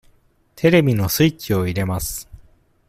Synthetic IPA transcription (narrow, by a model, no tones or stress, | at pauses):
t̪ʰe̞ɾe̞bʲino̞sɨit͡ɕio̞iɾe̞masɨ̥